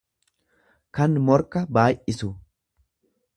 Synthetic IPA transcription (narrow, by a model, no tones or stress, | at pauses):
kɐnmɔɾkɐbaːjʔɪsʊ